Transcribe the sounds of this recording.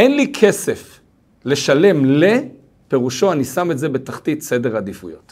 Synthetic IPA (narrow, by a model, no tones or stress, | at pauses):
enlikʰe̞sef | le̞ʃale̞mle | pe̞ʁuʃo̞anisametze̞be̞taχtit̪se̞de̞ʁadifujo̞̰t